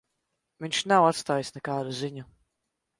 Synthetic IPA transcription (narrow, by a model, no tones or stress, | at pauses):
viɲʲʃnawat̪st̪aːjisnɛkaːd̪uziɲu